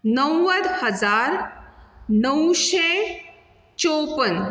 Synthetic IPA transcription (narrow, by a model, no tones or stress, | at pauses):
nəwːəd̪həd͡zaːɾ | nəwʃe | t͡ʃopən